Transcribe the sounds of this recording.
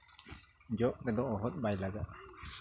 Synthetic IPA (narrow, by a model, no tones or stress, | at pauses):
d͡ʒɔʔɾɛd̪ɔʔɔɦɔt̪̚bajlaɡaʔ̚